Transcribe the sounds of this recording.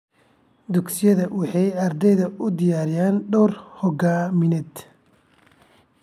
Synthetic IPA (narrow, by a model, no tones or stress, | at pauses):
d̪ʊɡsɪjɐðɐwɑħɑjɐrd̪ɛjðɐʊd̪ɪjaːɾɪjaːnɖɔːrhɔɡaːmɪnɛd̪